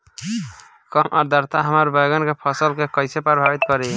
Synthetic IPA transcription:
kəmʔɔɾd̪əɾt̪aɦəməɾbəjɡənkepʰəsəlkekəɪsepəɾbʱabit̪kəɾi

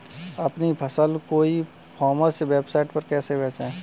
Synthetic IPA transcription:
ɐpnipʰəsəlkoːi | pʰɔːməsʋeːbsaːɪʈpəɾkɛːsebɛːt͡ʃɛ̃ː

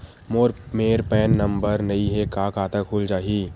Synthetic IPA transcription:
moːɾmeːɾpɛːnːɐ̃mbəɾnɐĩɦɛkaːkaːt̪əkʰuːld͡ʒaːɦiː

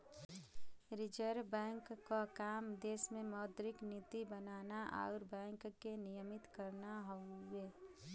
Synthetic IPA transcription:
ɾɪd͡ʒəɾbɛ̃ːŋkːokaːmd̪eːsmẽmɔːd̪ɾɪknɪt̪ibənaːnaʔa̰ːɾbɛ̃ːŋkːkːenɪjəmɪt̪kəɾnaɦoeː

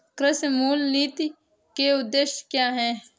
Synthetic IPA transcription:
kɾəsmuːlniːt̪i | keʊd̪ːeːʃkjaːɦɛː

